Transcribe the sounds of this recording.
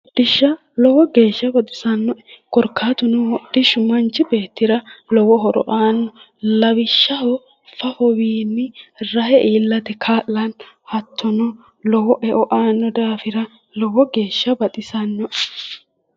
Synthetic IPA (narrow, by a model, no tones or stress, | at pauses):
d̪̥ɪʃːɐ | lɔwɔɡe̞ːʃːɐbɐt̪ʼɪ̥sɐnːɔɛkɔɾkʰːaːt̪ʊnʊhɔd̥ːɪʃʊmɐnt͡ʃːɪbeːt̪ːɪɾɐlɔwɔɦɔɾɔ̰ʔaːnːɔ | lɐwɪʃːɐhɔ | fɐfɔwiːnːɪɾɐhɛʔiːlːɐt̪ɛkʰaːlːɐn | hɐt̪ʰːɔnɔ | lɔwɔʔɛʔɔʔaːnːɔd̪aːfɪɾɐ | lɔwɔɡe̞ːʃːɐbɐt̪ʼɪsɐnːɔʔɛ